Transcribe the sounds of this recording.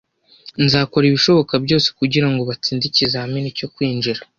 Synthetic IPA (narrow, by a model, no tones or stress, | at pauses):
nzaːko̞ɾiβiʃo̞βo̞kabɟo̞ːse̥kuɟiɾaŋɡo̞βat͡siːndicizahamineco̞kwiːnd͡ʒiɾa